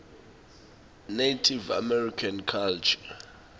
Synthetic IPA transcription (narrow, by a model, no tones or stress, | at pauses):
netʰiva̰mɛrikʰankʰalt͡ʃʰḁ